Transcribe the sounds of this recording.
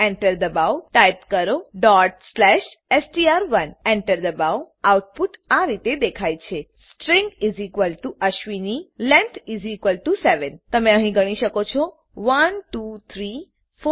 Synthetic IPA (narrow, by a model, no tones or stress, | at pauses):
eɳʈəɾd̪əbawʈajp̚kəɾoɖɔʈslɛʃ | esʈiaɾʋəneɳʈəɾd̪əbaw | awuʈ̚puʈaɾit̪ed̪ekʰajt͡ʃʰe | sʈɾĩŋɡizikʋəlʈuʔəʃʋinilɛ̃nt̪ʰizikʋəlʈuseʋənt̪əmeəɦĩɡəɽ̃iʃəkot͡ʃʰɔ | ʋənʈut̪ʰɾi | fo